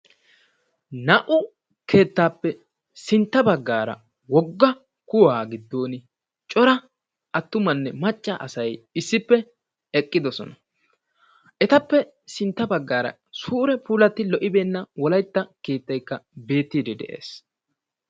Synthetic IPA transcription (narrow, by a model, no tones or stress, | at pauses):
nɐʔʊ | kʰe̞ːt̪ːaːpːɛ | sɪnt̪ːɐbɐɡːaːɾɐ̰ | wɔɡːɐ | kʊwaːɡɪd̪ːo̞ːnɪ | t͡ʃʼɔɾɐ | ɐt̪ːʊmɐnːɛmɐt͡ʃʼːɐʔɐsɐjɪsːɪpːɛ | ɛkʼːɪd̪ɔsɔ̰nɐ | ʔɛt̪ɐpːɛ | sɪnt̪ːɐbɐɡːaːɾɐ̰ | suːɾɛpuːlɐt̪ːɪlɔʔɪbeːnːɐwɔlɐjt̪ːɐke̞ːt̪ːɐjkːɐbe̞ːt̪ːiːd̪ɛd̪ɛ̰ʔe̞̰ːs